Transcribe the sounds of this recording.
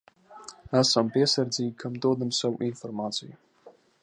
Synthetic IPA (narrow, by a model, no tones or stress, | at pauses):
asampʼesɐrd͡zikʰamtʼod̪ɨmsawʔinformat͡sʼiji